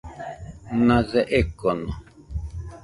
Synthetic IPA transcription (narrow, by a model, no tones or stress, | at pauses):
nãzɛʔekono